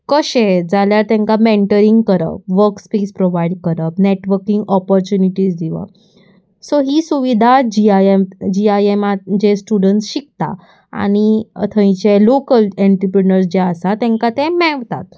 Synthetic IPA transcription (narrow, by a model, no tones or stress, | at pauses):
kəɕed͡zaljaɾt̪ɛ̃ŋkameɳʈəɾĩŋɡkəɾə̰pʋəɾkspespɾoʋajɖkəɾəpneʈʋəɾkĩŋɡɔpɔɾt͡ɕuniʈiːsd̪iʋə̰ | soɦiːsuʋid̪ʱad͡ʑiad͡ʑiajemad͡ʑesʈuɽəɳsɕik̚t̪a̰ | a̰ñiə̰t̪ʰə̃j̃t͡ɕelokəleɳʈɾəpɾinəɾsd͡ʑeəsat̪ɛ̃ŋkat̪ɛ̃mɛʋt̪a̰t̪